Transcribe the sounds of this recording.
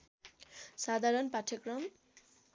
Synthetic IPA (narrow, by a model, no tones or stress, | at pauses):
sad̪ʱaɾʌnpaʈʰʌkrʌm